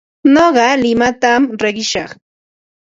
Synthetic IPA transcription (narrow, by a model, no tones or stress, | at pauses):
noɢɑlɪmat̪amɾeɢɪʃɑχ